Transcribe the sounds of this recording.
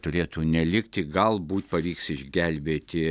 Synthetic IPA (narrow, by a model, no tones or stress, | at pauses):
t̪ʊɾʲeːt̪uːnʲɛlʲɪkt̪ʲɪɡɐlˠbuːt̪ʲpɐʋʲiːksɪʒʲɡʲɛlʲbʲeːt̪ʲɪ